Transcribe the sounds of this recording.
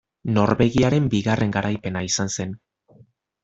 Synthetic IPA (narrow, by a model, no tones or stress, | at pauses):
no̞ɾβe̞ɣiaɾe̞mbiɣarʔe̞ŋɡaɾʔajpe̞naisanse̞n